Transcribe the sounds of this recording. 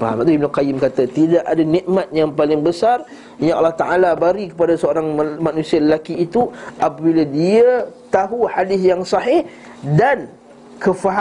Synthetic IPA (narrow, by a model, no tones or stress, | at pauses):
faɦa̰mat̪uib̚nukajɪmkat̪at̪idaʔadaniʔmat̪̚jaŋpalɪŋbəsar | jaʔɑlːɑht̪aʔalabaɾikə̥padasəoɾaŋmanũsialəlakiːt̪uʔapabiladiət̪aɦuħadɪθjaŋsɑɦɪh | dan | kəfaɦ